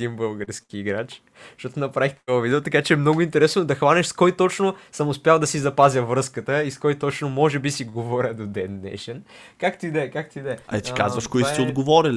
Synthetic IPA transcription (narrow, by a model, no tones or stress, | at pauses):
d̪inbɤlˠɡəɾskiːɡɾat͡ʃ | ʃt̪ɔt̪onɐpɾavixt̪t̪ovɐvid̪ɛot̪ɐkat͡ʃɛːmnoɡʊint̪ɛɾɛsnod̪ɐxvanɛʃskɔjt̪ɔt͡ʃnosəmʊspʲjalˠd̪ɐsizɐpazʲəvɾɤskət̪əiskɔjt̪ɔt͡ʃnomɔʒɛbisiɡovɔɾʲəd̪od̪ɛnːɛ̰ʃɛnkakt̪id̪ɛkak̚t̪id̪ɛɐ̰ɛt̪ika̰zvɐʃkoiat̪ɛod̪ɡovɔɾʲil